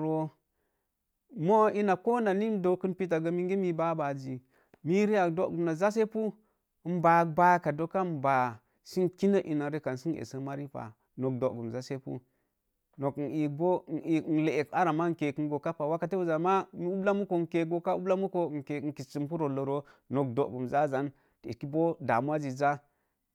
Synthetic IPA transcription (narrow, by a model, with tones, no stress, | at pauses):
ɾo˦ | mo˦i˦na˨ko˦na˨ni˦n˦do˨˦kɨ˦npi˦t̬a˨ɡə˦mi˦ŋɡi˦mi˦ba˦ba˨d͡ʒi˨ | mi˦ɾi˦a˨do˦ɡu˨mna˨za˦s̬e˦pu˦ | mba˨k̚ba˦ka˨do˦ka˦mba˨ | si˦nki˦nə˦ʔḭ˨na˨ɾe˦ka˨n˨si˦nḛ˨sə˦ma˦ɾi˦pa̰˨ | no˨k̚do˨ɡu˨mza˦se˦pṵ˦ | no˨kn̩˨i˨k̚bo˦˨n̩˨i˨˦n̩˨le˨e˨ka˦ɾa˨ma˦ŋ̩˨ke˨kŋɡo˨ka˦pa˨wa˦ka˦te˦wu˦za˨ma˦mi˦u˦bla˦mu˦ko˨ŋ˨ke˨ɡo˦ka˦u˦bla˦mu˦ko˦˨ŋ̩˨ke˨n̩˨ki˨t͡ʃi˨mpu˦ɾo˨lo˨ɾo˦no˨k̚do˨ɡu˨mza˦za˦n | tḭ˨ki˦bo˦da̰˨mu˦a˦d͡ʒi˨za˦